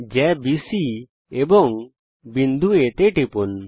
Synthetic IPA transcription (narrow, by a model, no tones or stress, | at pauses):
d͡ʒɛbisi | ebɔŋ | bind̪ʱuet̪eʈipun